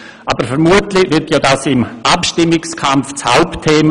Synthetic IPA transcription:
ʔabəɾfəɾmuətlɪʋɪtʰjoːdaːsɪmʔapʃtɪmːɪkskʰamft͡shaʊptʰːeːmə

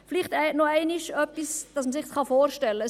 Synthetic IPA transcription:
fliχtɛɛtnoɛɪnɪʃœpːisd̥ɑsməsɪχsχɑfoːɾʃtɛlːə

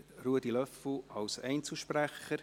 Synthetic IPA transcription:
truədilœfl̩ɑwsɛɪnt͡sl̩ʃpɾæχəɾ

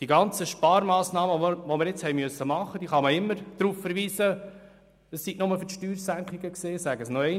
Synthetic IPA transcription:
d̥iɡɑnt͡səʃpɑːɾmɑːsnɑːməʋɔməɾjɪt͡shɛɪmʏsːəmɑχəd̥̪iχɑməɪmːəɾd̥̪ɾuːfːəɾʋiːsə | əsːiɡnʊməfʏʃtyːɾsæŋkχiɡəkseːsæɡəsnɔɛɪ

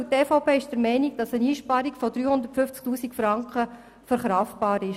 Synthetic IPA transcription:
teːfɑwpeːɪʃd̥əɾmɛɪniɡd̥ɑsəniːʃpɑɾikfɔdɾyːhʊnd̪ətfʏft͡sktuːsikfɾɑŋkχə | fəɾχɾɑftb̥ɑːɾɪʃ

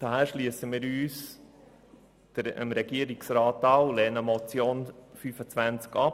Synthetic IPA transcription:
d̥ɑhæːɾʃlyəsəmiːɾyːs | d̥əə̰mɾɛɡiəɾiksɾɑːtɑwlɛːnəmɔt͡sjoːnfyfət͡svænt͡skɑp

